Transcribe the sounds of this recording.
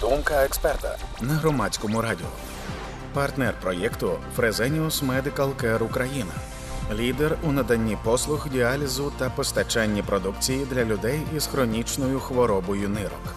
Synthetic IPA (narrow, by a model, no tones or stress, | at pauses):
d̪̥umkɐɛkspɛrt̪ɐ̰nɐɦɾɔmɑt͡sʲkɔmʊɾɑdʲiɔ̰ | pɐrt̪nɛrpɾɔjɛkt̪ʊfɾezɛnʲiɔsmɛd̪ɪkɐlˠkɛɾʊkɾɐjinɐ | lʲid̪erunɐd̪ɑnʲːipɔslˠʊxdʲiɑlʲizʊt̪ɐpɔst̪ɐt͡ʃɑnʲːipɾɔd̪ukt͡sʲijid̪lʲɐlʲʊd̪ɛjizxɾɔnʲit͡ʃnɔjʊxʋɔɾɔbɔjʊnɪɾɔ̰k